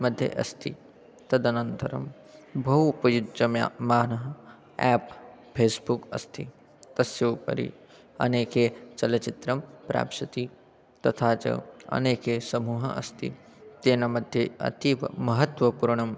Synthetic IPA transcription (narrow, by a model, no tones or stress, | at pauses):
mɐd̪ʱjḛʔɐ̰st̪ʰḭ | t̪ɐd̪ɐnɐ̃nt̪ɐɾɐ̰m | bʱɐɦupɐjud͡ʒɐmja̰ːmaːnɐɦɐ | ɛːp | pʰeːsbukɐ̰st̪ʰḭ | t̪ɐsjɐwpɐ̰ɾḭ | ɐ̰neːket͡ʃɐlɐt͡ʃɪt̪ɾɐmpɾa̰ːpʃɐt̪i | t̪ɐt̪ʰaːt͡ʃɐ̰ɐ̰neːkeːsɐmuːɦɐ̰ɐ̰st̪ḭ | t̪eːnɐmɐd̪ʱjeɐ̰t̪iʋmɐɦɐt̪ʋɐpuɾɳ̃ɐm